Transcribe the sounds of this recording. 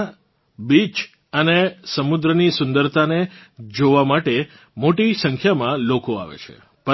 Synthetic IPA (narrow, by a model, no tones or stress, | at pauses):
bit͡ʃ | ənesəmud̪ɾənisʊ̃nd̪əɾt̪aned͡ʒoʋamaʈe | moʈisə̃ŋkʰjamãlokoa̰ʋḛt͡ʃʰḛ | pə